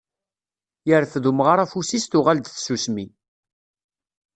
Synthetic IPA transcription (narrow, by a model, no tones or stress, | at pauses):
jəɾθðumʁaɾˤæfusist̪ʊʁald̪θsusmi